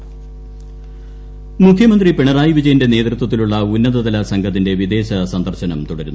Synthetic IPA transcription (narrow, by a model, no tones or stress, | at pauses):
mukʰːjɐmɐnd̪ripeɳɐraːjiʋid͡ʑɐjɐnde̞ne̞ːt̪rut̪wɐt̪ːiluɭːɐunːɐðɐðɐlɐsɐŋɡʱɐt̪̬ːinde̞ʋid̪e̞ːɕɐsɐnd̪ʱɐrɕɐnɐmt̪uɽɐɾṵnːu